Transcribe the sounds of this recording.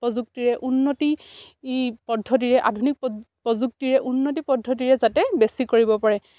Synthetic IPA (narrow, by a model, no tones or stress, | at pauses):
pɔzuk̚tiɹɛʔunːoti | pɔdʱɔt̬iɹɛʔa̰dʱunik̚pɔzuk̚tiɹɛʔunːotipɔdʱːɔt̬iɹɛzatɛbesikoɹibɔpaɹɛ